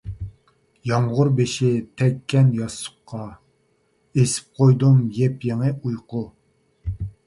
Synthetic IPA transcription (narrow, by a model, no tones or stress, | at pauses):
jɑɴʁʊɾbeʃɪt̪ʰɛkʲʰːɛnjɑsʊ̥qʰːɑ | esɪ̥p̚qʰojd̪umjɛpjeŋɨujqʰʊ